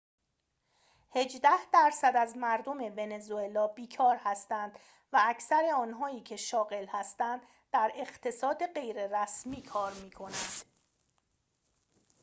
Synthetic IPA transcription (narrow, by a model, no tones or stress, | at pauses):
he̞d͡ʒd̪æhd̪̥æɾsæd̪æzmæɾd̪o̞me̞ve̞ne̞zue̞lɒːbiːkʰɒːɾhæst̪ænd̪ | vææcʰsæɾe̞ɒːnɦɒːiːcʰe̞ʃɒːɣe̞lhæst̪ænd̪ | d̪æɾe̞ɢt̪ʰe̞sɒːd̪e̞ɢe̞jɾe̞ɾæsmiːkʰɒːɾmiːkʰo̞nænd̪̥